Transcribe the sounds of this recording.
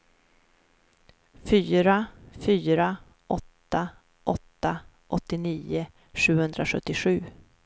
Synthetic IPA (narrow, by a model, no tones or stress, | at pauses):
fyːɾafyːɾa | ʔɔt̪ːa | ʔɔt̪ːa | ʔɔt̪ːɪniːʊ | ʂʉ̟ːhɵnd̪ɾaɧɵt̪ːɪɧʉ̟ː